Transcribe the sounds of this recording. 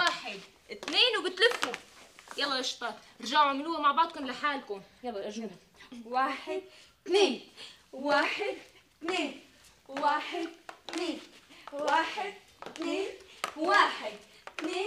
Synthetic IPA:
waːħɪd̪ | ɪt̪neːnwɡɪt̪lɪfujɑlˤːɑʔɪʃt̪ˤɑ | ɾˤɑʒaʕaʕmɪluːamaʕbɑʕd̪̚ˤkʊmlɪħaːlkʊmjɑlˤːɑʔ | waːħɪd̪̚t̪neːnwaːħɪd̪ | t̪neːn | waːħɪd̪t̪neːnwaːħɪd̪̚ | t̪neːnwaːħɪd̪t̪neː

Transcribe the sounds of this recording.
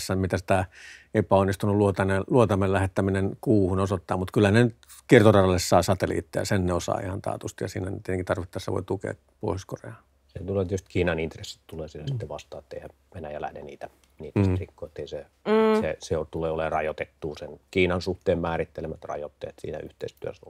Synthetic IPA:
sːæmmit̪æsi̥t̪æepæonːist̪unulluot̪ɑneluot̪ɑmellæhet̪ːæminenkuːhunosot̪ːɑːmmut̪kylːhænenyt̪ | kirt̪orɑrɑlːessɑːsɑt̪elḭːt̪ːejɑ̰senneosɑ̰ːḭhɑnt̪ɑ̰ːt̪ust̪ijɑ̰siːnænt̪et̪eŋkit̪ɑrʋit̪ːɑːsḛʋo̰it̪ukḛː | po̰ˑihosko̰rḛɑː | set̪uleet̪jost̪kiːnɑnint̪resːi̥t̪t̪uleːsielæsi̥t̪ːeʋɑst̪ˑɑːet̪ːeihæm | ʋenæjælæ̰hnḛniːt̪æ | niːt̪æst̪rikːoet̪ːeise | seseot̪uleːolerɑjot̪et̪ːuːsenkiːnɑnsuht̪eːmmæːɾit̪ːelemæt̪rɑ̰jot̪ːḛet̪sḭːnæ̰ʔy̰ht̪ḛist̪yæso̰lː

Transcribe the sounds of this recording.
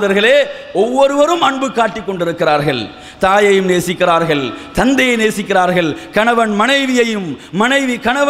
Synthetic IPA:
ðɐɾɣɐɭeː | ɔʋːɔɾɯʋɐɾɯmɐɳbɯkːaːʈːɪkːɔɳɖɪɾɯkːɪɾaːɾɣɐɭ | t̪aːjɐjɯmneːsɪkːɪɾaːɾɣɐɭt̪ɐnd̪ɐjɐɪneːsɪkːɪɾaːɾɣɐɭkɐɳɐʋɐnmɐnɐɪʋɪjɐjɯmːɐnɐɪʋikɐɳɐʋɐ

